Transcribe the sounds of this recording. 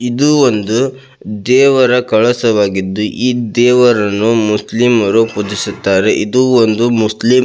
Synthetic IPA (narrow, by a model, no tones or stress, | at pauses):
id̪uond̪u | d̪ɛːʋɐɾɐkɐɭɐsɐʋaːɡid̪ːuʔiːd̪ɛːʋɐɾɐnːumuslimɐɾupud̪isut̪ːaːɾe̞ʔid̪uond̪umuslim